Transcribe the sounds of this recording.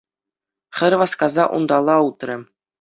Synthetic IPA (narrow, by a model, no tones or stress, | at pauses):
χʲɘ̆ɾʲʋɑskɑzɑʔṵnd̪ɑlˠːɑut̪rʲɘ̆